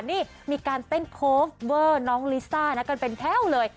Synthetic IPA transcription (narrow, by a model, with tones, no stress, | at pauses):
niː˥˩ | miː˧kaː˧nt̪e˥˩nkʰoː˦˥fwɤː˧˩nɔː˦˥ŋliː˦˥saː˥˩na˦˥ka˧npe˧nt̪ʰɛː˥˩˨wlɤː˧j